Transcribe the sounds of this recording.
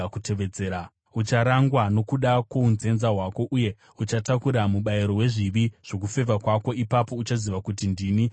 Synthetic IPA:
kuteʋed͡zeːa | ut͡ʃaɾaŋɡwano̞kuɗakounze̞nzaɦwako̞ʔuje̞ | ut͡ʃatakuɾamuɓaiɾo̞ɦwe̞ʐiʋiʐ̥o̞k̬ufe̞vakwako̞ipapo̞ut͡ʃaziʋakutindiːni

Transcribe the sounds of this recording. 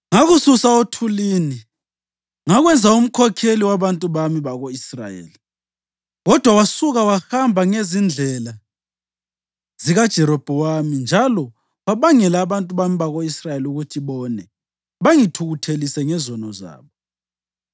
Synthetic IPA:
ŋaɣususaotʰuliːni | ŋaɣwɛnd͡zʱaum̩kʰɔkʰeliwaβantʼuβamiβaɣoisra̰jḛːli | ɣɔd̥ʱwawasuɣawahambʱaŋezind͡ɮʱɛla | ziɣad̥ʒ̥ʱɛɾɔb̥ʱɔwamind͡ʒʱalɔ | waβaŋɛlaːβantʼuβamiβaɣoisrajeluɣutʰiβɔnɛ | βaŋitʰuɣutʰelisɛŋɛzɔnɔza̰ːβɔ

